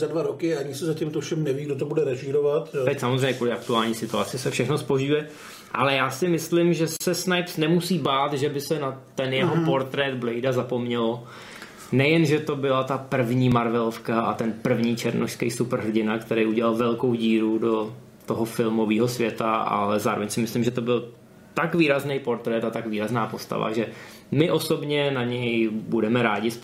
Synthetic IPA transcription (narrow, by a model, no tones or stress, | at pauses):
zadvaɾokɪaɲɪsɛzacɪmt̪ofʃɛmnɛviːɡdot̪obudɛɾɛʒiːɾovat̪t̪ɛcsamozrejɲɛkuːlɪʔak̚t̪uaːlɲiːsɪt̪uat͡sɪsɛfʃɛxno̞spo̞ʒujɛ | ʔalɛjaːsɪmɪslɪmʒɛsɛsnajksnɛmusiːbaːt̪ʒɛbɪsɛnat̪ɛnjɛɦopo̞ɾt̪ɾɛd̪blɛjdazapo̞mɲɛlo | nɛjɛnʒɛt̪o̞bɪlat̪apr̩vɲiːmaɾvɛlofkaʔat̪ɛnpr̩vɲiːt͡ʃɛɾnʔoʃskɛjsupr̩ɦr̩ɟɪnakt̪ɛɾejuɟɛlalvɛlko̞wɟiːɾudo̞ | t̪oɦofɪlmo̞viːɦo̞svjɛt̪aʔa̰lɛzaːɾovɛɲsɪmɪslɪmʒɛt̪o̞bɪl | t̪akviːɾaznejpo̞ɾt̪ɾɛt̪at̪akviːɾaznaːpo̞st̪a̰va̰ʒɛ | mɪʔo̞sobɲɛnaɲɛjbudɛmɛɾaːɟɪs